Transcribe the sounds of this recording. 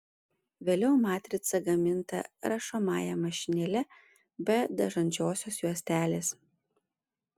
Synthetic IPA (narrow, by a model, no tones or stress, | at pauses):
ʋʲeːlʲɛʊmɑːt̪ʲɾʲɪt̪sɐɡɐmʲɪnt̪ɐ̰ɾɐʃomɑ̰ːjɛmɐʃʲɪnʲɛlʲɛ | bʲɛd̪ɐʒɐnʲd͡ʒʲoːsʲoːsjuɔsʲt̪ʲæːlʲeːs